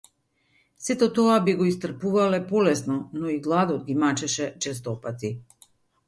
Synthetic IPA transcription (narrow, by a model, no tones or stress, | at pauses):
sɛt̪ɔt̪ɔabiɡɔist̪r̩puvalɛpɔlɛsnɔnɔiɡlˠad̪ɔd̪ɡimat͡ʃɛʃɛt͡ʃɛs̬t̪ɔpat̪i